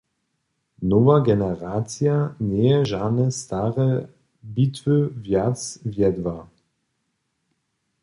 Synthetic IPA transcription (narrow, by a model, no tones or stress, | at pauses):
novɐɡɛnəʁaːt͡sjaneːəʒanəstaʁə | bitvøvjat͡svjɛdva